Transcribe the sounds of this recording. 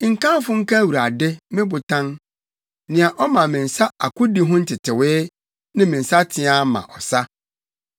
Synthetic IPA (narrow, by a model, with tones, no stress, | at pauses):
ŋ̩˨kã˦fʊ˦ŋ̩˦ka˦˨wu˨ɾa˨dɪ˦mɪ̃˦bʊ˨tʰã˦ŋ | nɪ̃˨a˨ʔɔ˦mã˨mɪ̃˨n̩˨sa˦a˨kʊ˦di˦ɦʊ̃˦n̩˦tʰɪ˨tʰɪ˨wɪː˦ | nɪ̃˦mĩ˨n̩˨sa˦tʰɪ˦a˦mã̰˨ʔɔ˨sa˦